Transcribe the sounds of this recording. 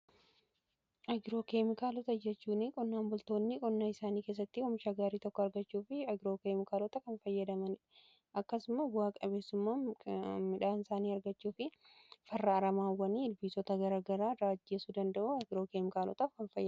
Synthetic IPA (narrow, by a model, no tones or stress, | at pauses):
ʔɐɡɪɾo̞ːkeːmɪkaːlɔt̪ɐd͡ʒɛt͡ʃːuːnɪkʼɔnːaːmbʊlt̪o̞ːnːɪkʼɔnːaːɪsaːniːkeːs̬ːɐt̪ːɪhɔmɪʃɐɡaːɾiːt̪ɔkːɔɐɾɡɐt͡ʃːuːfɪɐɡɪɾoːkeːmɪkaːlɔt̪ɐkɐnfɐjːɐd̪ɐmɐnɪᶑ | ʔɐkːɐsʊmɐbʊaːkʼɐbe̞ːsːʊmːaːmɪᶑaːnɪsaːniːɐɾɡɐt͡ʃːuːfɪ | fɐrːɐːɾɐmaːwːɐniːɪlbiːsɔt̪ɐɡɐɾaːɡɐɾaːɾaːd͡ʒːeːsud̪ɐnd̪ɐʔuːɐɡɪɾo̞ːkeːmɪkaːlɔ̰t̪ɐkɐnfɐj